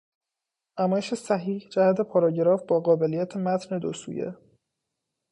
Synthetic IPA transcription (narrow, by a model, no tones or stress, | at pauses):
næmɒːjeʃe̞sæɦiːhd͡ʒæhæd̪e̞pʰɒːɾɒːɟeɾɒːfbɒːɣɒːbe̞lijæt̪ʰemæt̪ʰne̞d̪osṵːjḛ